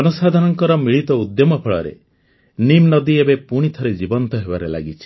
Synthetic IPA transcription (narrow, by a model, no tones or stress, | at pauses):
ɔnusad̪ʱanɔŋkɔɾɔmiɭit̪ɔud̪jɔmɔpʰɔɭɔ̰ɾḛ | nimnɔd̪iebepuɽ̃it̪ʰɔɾed͡ʒibɔnt̪ɔɦebaɾela̰ɡit͡ʃʰi̥